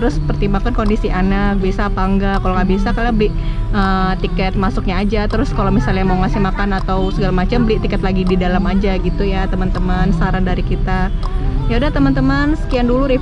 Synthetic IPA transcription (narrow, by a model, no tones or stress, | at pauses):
t̪əɾʊspərt̪imbakankondisiʔanak̚bsapaŋɡakaloŋabisakalabəlɪʔət̪ikɛt̪̚masʊk̚ɲaːd͡ʒat̪əɾʊskalomisalɲamawŋasɪhmakanat̪awsəɡalamat͡ʃambəlɪt̪ikət̪laɡididalamad͡ʒaɡit̪ujat̪əmant̪əmansaɾandaɾikit̪ajaudaht̪əmant̪əmansə̥kianduluɾi